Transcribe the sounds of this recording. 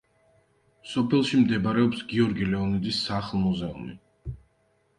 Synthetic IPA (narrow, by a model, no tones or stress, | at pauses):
sɔpʰɛlˠʃimd̪ɛbaɾɛɔpsɡiɔɾɡilɛɔnid̪isaχlˠmɔzɛṵmḭ